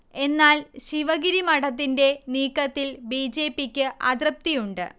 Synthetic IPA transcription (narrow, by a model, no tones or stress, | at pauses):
e̞nːaːlɕiʋɐɡiɾimɐɽɐt̪̬ːinde̞niːkːɐt̪ːilbiːd͡ʑe̞ːpːikʲːɨʔɐd̪rɐp̚t̪ijuɳɖɨ̰